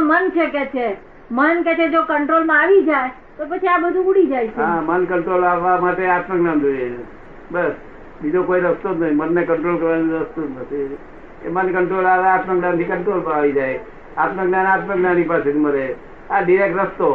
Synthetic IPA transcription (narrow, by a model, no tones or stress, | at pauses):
mənt͡ʃʰeket͡ʃʰe | mənket͡ʃʰed͡ʒokəɳʈɾolmãaʋid͡ʒae | t̪opət͡ʃʰiabəd̪ʱuuɽid͡ʒajʃɦãmənkəɳʈɾolaʋːamaʈeat̪məɡnand͡ʒoje | bəs | bid͡ʒ̪okoiɾəst̪onət̪ʰimənːekəɳʈɾolkəɾʋaniɾəst̪onət̪ʰi | ḛmənkəɳʈɾolaʋeat̪məknãnt̪ʰikəɳʈɾolməaʋid͡ʒaj | at̪məɡnanat̪məɡnanipaset̪ʰiməɾe | aɖiɾek̚ʈɾəst̪o